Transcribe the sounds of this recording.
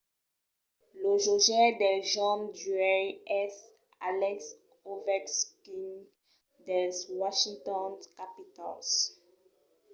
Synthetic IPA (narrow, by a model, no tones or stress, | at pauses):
ləʒoʒɛd̪ɛʒɔ̃ndyɛɛs | a̰lɛks | ovɛkskiŋ | dɛswaʃĩŋtɔ̃nkapitɔ̰ls